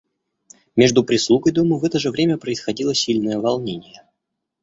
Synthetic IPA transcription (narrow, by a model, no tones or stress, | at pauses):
mʲeʐd̪ʊpɾʲɪslˠuɡəjd̪oməvɛt̪əʐɨvɾʲemʲəpɾəɪsxɐdʲilˠəsʲilʲnəjəvɐlˠnʲenʲɪjə